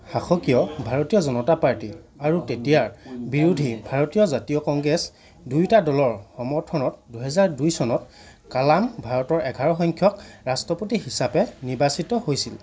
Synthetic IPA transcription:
xaxɔkijɔbʱaɹotijɔzɔnɔtapaɹti | aɹutetijaɹbiɹudʱibʱaɹotijɔzatijɔkɔŋɡɹɛs | dujtadɔlɔɹxɔmɔɹtʰɔnɔtduɦɛzaɹdujsɔnɔt | kalambʱaɹɔtɔɹʔɛɡʱaɹɔxɔŋkʰjɔkɹastɹɔpotiɦisapɛnibasitɔhojsil

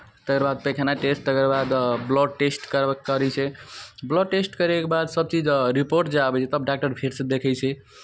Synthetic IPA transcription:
t̪əkəɾbad̪̚pekʰenaʈesʈt̪əkəɾbad̪blɔʈesʈkəɾɛkːəɾɛt͡ʃʰɛblɔʈesʈkəɾekebad̪səb̚t͡ʃid͡ʒɾipoɾʈd͡ʒabɛt͡ʃʰɛt̪əb̚ɖak̚ʈəɾpʰeɾsəd̪ekʰɛjt͡ʃʰɛ

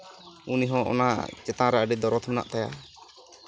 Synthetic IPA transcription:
uniɦɔ̃ʔɔ̰na̰t͡ʃɛt̪ãɾaʔəɖɛd̪ɔɾɔt̪ʰmɛna̰ʔt̪aja̰

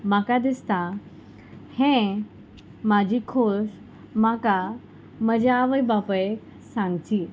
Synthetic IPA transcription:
makad̪ist̪a | hẽ | mad͡ʑʱiːkʰoʂ | maka | məd͡ʑeaʋəjbapəek | sãŋɡt͡ɕiː

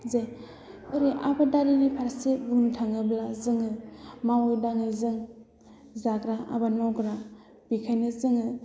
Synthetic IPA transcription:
zaj | ɯɾiʔabadaɾinipʰaɾseɡuntʰaŋɯblazɯŋɯmawɯjdaŋɯjzɯŋ | zaɡɾaʔa̰banmawɡɾa | b̥ikʰajnɯzɯŋɯ

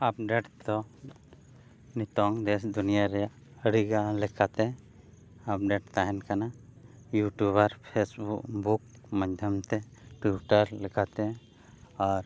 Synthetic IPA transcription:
ap̚ɖeʈd̪ɔ | nit̪ɔŋd̪ɛsd̪unijaɾɛjaʔ | əɽiɡalɛkat̪ɛ | ap̚ɖɛʈt̪aɦɛnkana | juʈjuβaɾpʰesbuk̚buk̚mad͡ʒd̪ʱjamt̪ɛʈiʈaɾlɛkat̪ɛ | aɾ

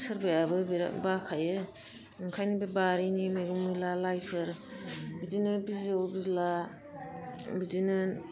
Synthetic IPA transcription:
sɯɾbajabɯbiɾa̰bakʰajɯ | ɯŋkʰajnibɯbaɾinimajɡɯmujlalajpʰɯɾbidinɯbizwbizla | bidinɯ

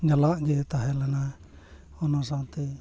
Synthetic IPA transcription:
ɲalaʔɡet̪aɦelana | onosat̪i

